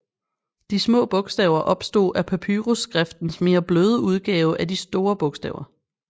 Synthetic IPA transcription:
d̥ismɔ̰ːb̥ɔ̽ɡ̥sd̥ɛ̰ʊɐʔɒ̽b̥sd̥o̝̰ːʔæpʰæpʰyʁusɡ̥ʁafd̥n̩sme̝ːɐb̥løːð̞ˠəuð̞ˠɡ̥ɛːʊəʔædisd̥o̝ːɐb̥ɔ̽ɡ̥sd̥ɛ̰ʊɐ

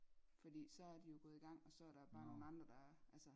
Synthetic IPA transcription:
fɒ̽d̥ḭːsɒ̽æɐd̥ijo̝ɡ̥ɔ̽ːð̞̩ˠiɡ̥ɑ̈ŋ̰ɒ̽sɒ̽æɐɾ̥ɑb̥ɑ̈ːno̝ːn̩ɑ̈nd̥ʁɐd̥ɑ̈ʔælsə

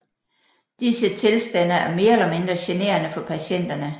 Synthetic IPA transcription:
d̥isət͡sʰe̝lsd̥ænɐæɐme̝ːɐelɐme̝nd̥ʁɐɕene̝̰ːɐnəfɒ̽pʰæɕen̰d̥ɐnə

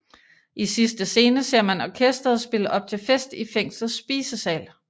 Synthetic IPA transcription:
ʔisisd̥əse̝ːnəse̝ɐ̰mænɒkʰesd̥ʁɐð̩ˠsb̥e̝ləʔɒ̽b̥̚t͡sʰe̝lfesd̥ifeŋ̰sl̩ˠsb̥iːsəsɛ̰ːl

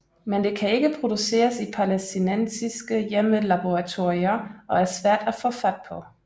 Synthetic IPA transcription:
mend̥e̝kʰæe̝ɡ̥əpʰʁo̝d̥use̝̰ːɐsipʰɑlesd̥inensisɡ̥əjeməlɑ̈b̥oʁɑt͡sʰoɐiɐʔɒ̽æɐsʋæɐ̰d̥æfɔ̽fæd̥̚pʰɒ̽

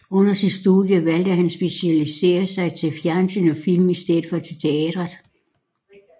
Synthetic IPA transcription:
ɔ̽n̰ɐsid̥sd̥uðˠjəʋæl̰d̥əɦænsb̥e̝siælise̝̰ːɐsɑ̈ɪt͡sʰe̝lfjæɐnsʰynɒfil̰misd̥eð̩ˠfɒ̽t͡sʰe̝t͡sʰe̝ɛ̰ːd̥ʁɐð̩ˠ

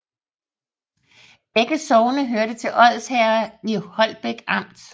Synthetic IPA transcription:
b̥eɡ̥əsɒʊnəɦøɐɾ̥ət͡sʰe̝lʔɒ̽ð̰ˠshæɐnihɒ̽l̰b̥eɡ̥ɑ̈m̰d̥

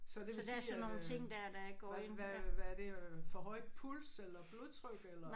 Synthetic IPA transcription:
sɒd̥ed̥æɐsɒno̝ːn̩t͡sʰe̝ŋ̰d̥æɐd̥æɡ̚ɡ̥ɒ̰ːennʋæʋæɐd̥e̝fɒ̽ɦɒ̽ɪ̰d̥̚pʰulselɐb̥loðˠt͡sʰʁœɡ̥elɐ

